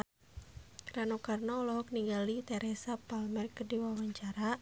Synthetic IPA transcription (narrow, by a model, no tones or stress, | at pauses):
kɾanɔkarnaɔlɔɦɔk̚niŋɡalit̪ɛɾʔɛsapalmɛrkədiwawaɲt͡ʃaɾa